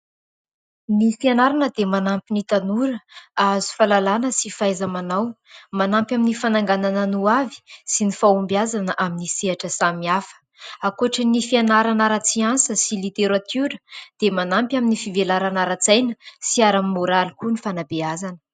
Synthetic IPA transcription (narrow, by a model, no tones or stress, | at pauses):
nifianaɾanəd̪emanampinit̪anuɾəazu̥falalanəsifajzamanaw | manampjaminifanaŋɡananənuavi̥sinifaumbjazanəʔaminiseaʈ͡ʂəsamiafə̥ | akuʈ͡ʂənifianaɾanaɾat͡siansəsilit̪eɾat̪ʰuɾəd̪̥emanampʲaminifivelaɾanaɾat͡sajnəsiaɾammoɾalikunifanabeazanə̥